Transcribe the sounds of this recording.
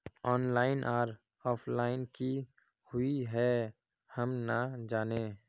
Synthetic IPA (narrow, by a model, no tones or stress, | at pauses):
ɔːnlaːɪnʔaːɾ | ɔːpʰlaːɪnki | hʊiɦɛ | həmnad͡ʒaːneː